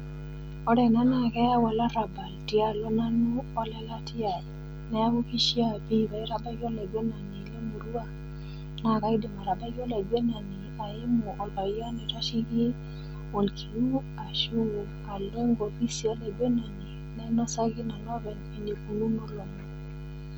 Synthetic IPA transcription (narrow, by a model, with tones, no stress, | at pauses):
ɔ˦ɾɛ˨na˦na˨kɛ˦a˦wa˨la˦ɾa˨ba˨ltɪ˦a˨lɔ˦na˦nu˦ɔ˦lɛ˦la˦tɪ˦a˨ | nɛ˦a˦wu˦ki˦ʃi˦a˦˨pi˦˨ba˨i˦ɾa˦ba˦ɡo˦la˨ɡwe˦na˨ni˨le˦mu˨ɾu˦a˦ | na˦˨ka˦ɪ˦de˨ma˨ɾa˨ba˦ɡo˦la˨ɡwe˦na˨ni˨a˨ɪ˦mɔ˨ʔɔ˨lpa˨ja˦nɛ˨ta˦ʃi˦ɡi˦ | o˨lkʰi˨lu˦ | a˨ʃu˦wu˨ | a˨le˦ŋɡo˨pi˦si˨o˦le˨ɡwe˦na˨ni˨ | nɛ˦nɔ˦sa˦ɡɪ˦na˨nɔ˦bɛ˨ne˨ndi˨ku˨lu˦no˦lo˨mɔ˨